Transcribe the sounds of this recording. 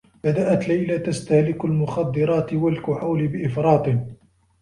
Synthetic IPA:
bad̪aʔat̪lajlat̪ast̪ahlɪkalmʊxɑd̪ːɨɾˤɑːt̪walkʊʕawlɪbɪʔɪfɾˤɑːt̪ˤɨn

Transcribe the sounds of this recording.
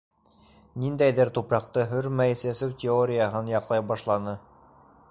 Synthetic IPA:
nind̪æjðɘɾt̪upɾɑqt̪ɤɦɵɾmæjisæsɘwtʲɪoɾʲɪjəɦɤnjɑqlˠɑjbɑʃlˠɑnɤ

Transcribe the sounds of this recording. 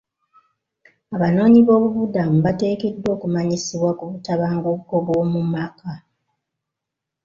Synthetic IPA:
aβano̞ːɲiβo̞ːβuβudamuβate̞ːke̞dːo̞ːkumaɲisiβwakuβutaβaːŋɡokːoβwo̞ːmumaka

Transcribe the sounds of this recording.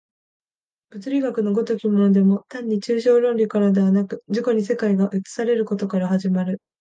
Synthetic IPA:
b̥ɯ̟t͡sɨɾʲiɡakɯ̟no̞ɡo̞t̪okʲimonod̪e̞mo̞t̪ãɲ̟ːit͡ɕɨːɕo̞ːɾõ̞nɾʲikaɾad̪e̞β̞anakɯ̟̥d͡ʑiko̞ɲ̟is̬e̞kaiɡaʔɯ̟t͡sɨ̥saɾe̞ɾɯ̟ko̞t̪o̞kaɾahaʑimaɾɯ̟

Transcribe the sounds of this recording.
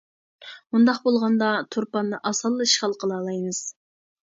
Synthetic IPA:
und̪ɑqbolˠʁɑnd̪ɑt̪ʰuɾpɑnːɨʔɑsɑlˠːɨʃχɑlˠqʰəlˠɑːlˠɑjmɨz̥

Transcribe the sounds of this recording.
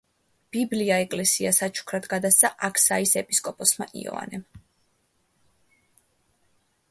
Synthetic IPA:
b̥ibliaɛkʼlɛsiasat͡ʃʰu̥kʰɾad̪ɡad̪ast̪sʰaʔakʰsaisɛpʼiskʼɔpʼɔsma̰ʔḭɔ̰va̰nɛm

